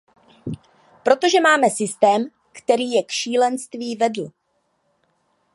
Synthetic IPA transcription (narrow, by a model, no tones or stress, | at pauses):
pɾo̞t̪o̞ʒɛmaːmɛsɪst̪ɛːm | kt̪ɛɾiːjɛkʃiːlɛnst̪viːvɛdl̩